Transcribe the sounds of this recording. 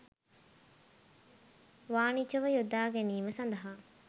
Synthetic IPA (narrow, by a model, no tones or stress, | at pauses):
ʋaːnit͡ʃuʋɐjud̪aːɡeniːmɐsɐnd̪ɐɦa